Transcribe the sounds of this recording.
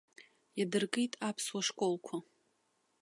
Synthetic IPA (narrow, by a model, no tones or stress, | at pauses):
jadɨrkʼijtʼapʰswaʂkʷʼo̞lkʷʰa